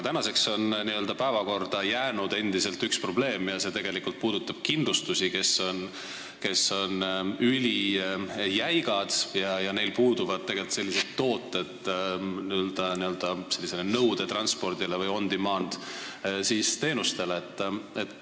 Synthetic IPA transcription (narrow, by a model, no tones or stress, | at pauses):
t̪ænɑse̞kso̞nniø̞ld̪̥ɑpæevɑko̞rd̪̥ɑjæːnud̪e̞nd̪̥ise̞lt̪ykspro̞ble̞ːmjɑse̞ːt̪e̞ɡ̥e̞likult̪̚puːd̪ut̪ːˑɑb̥kind̪lust̪usike̞so̞n | ke̞sːo̞nylʲi | jæjɡ̥ɑd̪̥jɑjɑne̞jlpuːd̪uvɑd̪̚t̪e̞ɡ̥e̞lt̪se̞lːised̪̥t̪ːo̞ːt̪ːˑe̞d̪̥niøld̪̥ɑniø̞ld̪̥ɑse̞lʲːise̞lenɤwd̪̥e̞t̪ɾɑnspo̞rd̪̥ilevɯjo̞nd̪̥imɑːnd̪̥siːst̪e̞ːnust̪e̞leet̪ːˑet̪